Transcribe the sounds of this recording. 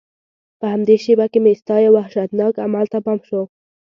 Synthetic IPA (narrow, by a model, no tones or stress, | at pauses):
pəhamd̪eʃebakemest̪ɑjawahʃat̪nɑkamalt̪apɑmʃo